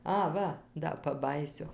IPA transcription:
ˈɐ ˈʋɐ ˈdɐ pɐˈbɑːjiːsʲʊ

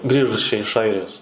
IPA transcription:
ˈɡrʲiːʒʊs t͡ʃʲɛ ɪʃ ˈɐɪrʲɪjoːs

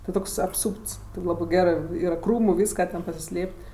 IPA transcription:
tʲɪ ˈtoːks ɐpˈsuːpts tʲɪ ˈlˠɑːbɜ ˈɡʲæːrɜ ˈiːrɐ ˈkruːmʊ ˈʋʲiːskɐ tʲɛn pɐsʲɪˈsʲlʲeːpʲtʲ

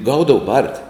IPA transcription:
ˈɡɐʊdɐʋʊ ˈbɐrʲtʲɪ

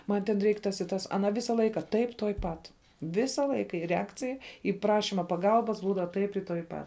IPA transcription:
ˈmɐn tʲɛn ˈrʲɛɪk ˈtɐs ɪ ˈtɐs ɐˈnɐ ˈʋʲɪsɐ ˈlˠɐɪkɐ ˈtɐɪp tuɔj ˈpɐt ˈʋʲɪsɐ ˈlˠɐɪkɐ ɪr rʲɛˈɑːkt͡sʲɪj iː ˈprɑːʃʲɪmɐ pɐˈɡɐlˠbɐs ˈbuːdɐ ˈtɐɪp ɪ tuɔj ˈpɐt

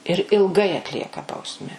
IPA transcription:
ɪr ɪlˠˈɡɐɪ ɐtʲˈlʲiɛkɐ ˈbɐʊsʲmʲɛ

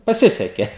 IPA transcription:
pɐˈsʲɪsʲɛkʲɛ

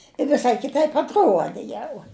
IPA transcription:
ɪ ʋʲɪˈsɐɪ kʲɪˈtɐɪp ɐtˈruɔdʲɪ ˈjɛʊ

